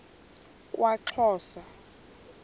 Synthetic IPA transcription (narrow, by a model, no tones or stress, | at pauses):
kʼwʔaǁʰɔːsa